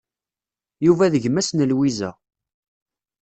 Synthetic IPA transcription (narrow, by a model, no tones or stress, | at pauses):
juvæðəʝmæsnəlwizæ̰